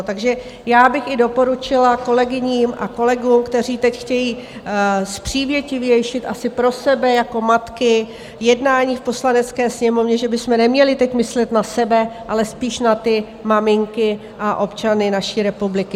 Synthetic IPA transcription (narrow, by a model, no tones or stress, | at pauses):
t̪aɡʒɛ | jaːbɪxɪdo̞po̞ɾut͡ʃɪlako̞lɛɡɪɲiːmʔa̰ko̞lɛɡuːmkt̪ɛriːt̪ɛcxcɛjiː | spr̝̥iːvjɛcɪvjɛjʃɪt̪ʔasɪpɾo̞sɛbɛjako̞mat̪kɪ | jɛdnaːɲiːfpo̞slanɛt͡skɛːsɲɛmo̞vɲɛʒɛbɪsmɛnɛmɲɛlɪt̪ɛcmɪslɛt̪nasɛbɛʔalɛspiːʃnat̪ɪ | mamɪŋkɪ | ʔaʔopt͡ʃanɪnaʃiːɾɛpublɪkɪ